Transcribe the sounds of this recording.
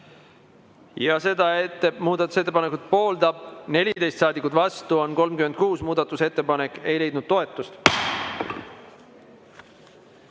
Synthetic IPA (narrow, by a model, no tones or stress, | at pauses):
jɑse̞d̪ɑe̞t̪ːemuːd̪ɑt̪ːˑu̥se̞t̪ːˑepɑne̞kut̪̚po̞ːld̪̥ɑb̥̚ne̞lʲit̪e̞jst̪sɑːd̪ikːˑut̪vɑst̪uo̞nko̞lmkymend̪̥̚kuːsmuːd̪̥ɑt̪ːˑuse̞t̪ːe̞pɑne̞kːˑe̞jle̞jd̪nud̪̚t̪ːo̞e̞t̪ˑːust̪